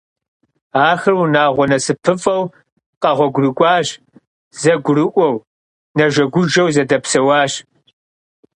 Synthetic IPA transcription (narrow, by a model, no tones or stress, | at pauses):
aːxɨrwnaːʁʷɔnɐsɨpʰɨfʼɐw | qɐʁʷɔɡʷrɨkʷʼɑːɕ | zɐɡʷʊɾɨʔʷɔw | nɐʒɐɡʷʊʒɐwzɐdɐpsɐwaːʃ